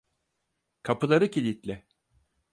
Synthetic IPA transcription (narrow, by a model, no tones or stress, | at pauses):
kʰapɯlˠaɾɯcʰilʲit̪lʲɪ